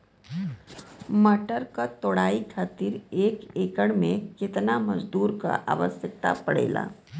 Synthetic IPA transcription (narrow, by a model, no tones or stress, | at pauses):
məʈəɾkat̪oːɽ̤aikʰaːt̪iɾekekəɽmekɪt̪naməd͡ʒd̪uːɾka̰ʔa̰ːʋəsjək̚t̪a̰pəɽ̤ḛla̰